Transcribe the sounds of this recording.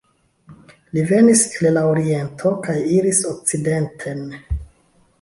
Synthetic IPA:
live̞nislelaoɾie̞ntʰo̞kajiɾisok̚t͡side̞ntʰe̞n

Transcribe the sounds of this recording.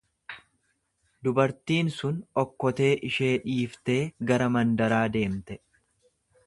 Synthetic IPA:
d̪ʊbɐɾt̪iːnsʊnɔkːɔt̪e̞ːʔɪʃe̞ːᶑiːft̪e̞ːɡɐɾɐmɐnd̪ɐɾaːd̪e̞ːmt̪ɛ

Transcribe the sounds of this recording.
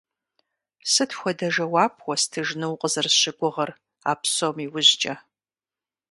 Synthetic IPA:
sɨtʰxʷɔdɐʒɐwaːpʰwʷɔstʰɨʒnɨwqʼəzɨrɕɪɡʷʊʁɐr | a̰ːpsomiwʊʑt͡ʃʼɐ

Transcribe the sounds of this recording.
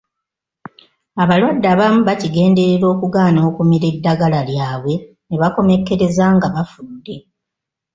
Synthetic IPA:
aβalwadːaːβamuβaciɡe̞ːnde̞ɾeɾo̞ːkuɡaːnoːkumiɾe̞dːaɡalaljaːβwe̞ | neβako̞me̞kːe̞ɾe̞zaːŋɡaβafudːe̞

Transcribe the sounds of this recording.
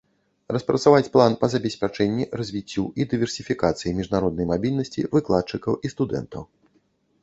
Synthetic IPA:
rɐspɾɐt̪savat͡sʲplˠanpɐzɐbʲɛsʲpʲat͡ʂɛnʲːirɐzʲvʲit͡sʲːuid̪ɨvʲɛrsʲifʲikat̪sɨjimʲiʐnaɾɔd̪nɐjmabʲilʲnɐsʲt͡sʲḭvɨklˠat̪̚t͡ʂɨkɐwist̪ud̪ɛ̰nt̪ɐ̰w

